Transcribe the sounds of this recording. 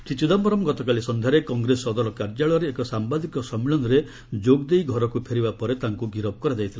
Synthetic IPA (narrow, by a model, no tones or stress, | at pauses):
sit͡ʃid̪ɔmbɔɾɔmɡɔt̪ɔkalisɔnd̪ʱjaɾekɔŋɡɾesɔːd̪ɔɾɔkaɾd͡ʒaɭɔɾeːkɔsambad̪ikɔsɔmiɭɔnɾe | d͡ʒoɡd̪ejɡʱɔɾɔkupʰeɾibapɔɾet̪aŋkuɡiɾɔbɔkɔɾad͡ʒajt̪ʰila